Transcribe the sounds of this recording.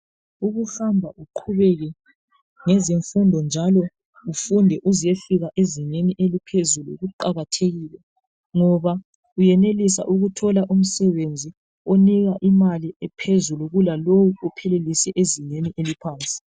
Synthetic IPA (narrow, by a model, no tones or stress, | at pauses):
uɣuhambʱaʔuǃʰuβɛɣɛ | ŋɛziɱfundʱɔnd͡ʒʱalɔ | ufundʱɛʔuzijeɬuɣaʔeziɲeniʔelipʰezuluɣuǃaɣatʰeɣiːlɛ | ŋɔβa | ujɛnelisa̰ʔuɣutʰɔlaʔum̩sɛβend͡zʱi | oniɣaʔimaliɛpʰezuluɣulalowuɔpʰɛlelisɛʔeziɲeniʔelipʰaːnt͡sʼi̥